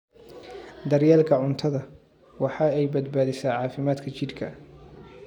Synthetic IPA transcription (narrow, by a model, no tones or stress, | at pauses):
d̪ɐrjɛːlkʰɐʕʊnt̪ʰɐðɐ | wɑħɑːɛjbɐd̪baːðɪsaːʕɑːfɪmaːd̪kʰɐt͡ʃɪd̪kʰɐ